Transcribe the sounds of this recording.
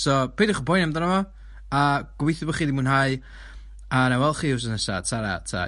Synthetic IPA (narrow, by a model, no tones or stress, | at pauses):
sɔpʰeːdiχubɔjnɛmdɔnamɔ | aɡ̥wejθɪbɔχiːdimuːnɦaj | anawɛlˠχiːuws̬ənəsa̰tʰaɾa̰tʰa̰